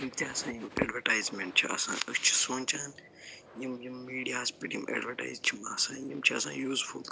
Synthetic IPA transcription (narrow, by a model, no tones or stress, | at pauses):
jimt̪iɐsãːjimḛːɖʋɐʈaːjzmeɳʈ̚t͡ʃʰiɐ̰sã̰ːɐkt͡ʃʰi̥soːnʲt͡ʃʰaːn | jimjimːiːɖijaːzpiʈjimḛːɖʋɐʈa̰ːjzt͡ʃʰimaːsãːjimt͡ʃʰiɐ̰sã̰ːjuːzful